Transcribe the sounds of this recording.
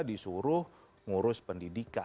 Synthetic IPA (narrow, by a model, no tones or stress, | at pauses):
disuɾʊh | ŋuɾʊspəndidika